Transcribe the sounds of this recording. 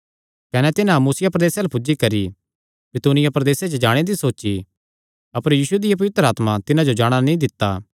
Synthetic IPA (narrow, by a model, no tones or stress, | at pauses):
kɐnɛt̪ɪnãmuːsɪjapɾɐd̪eːsalɛpʊd͡ʒikɐɾi | bɪt̪uːnɪjapɾɐd̪eːsed͡ʒəd͡ʒaːɽ̃ed̪isoːʃi | ɐpəɾjiːsued̪ɪjap̬ɐʋɪt̪ɾəaːt̪mat̪ɪnãd͡ʒod͡ʒaːɽ̃anĩd̪ɪt̪ːaː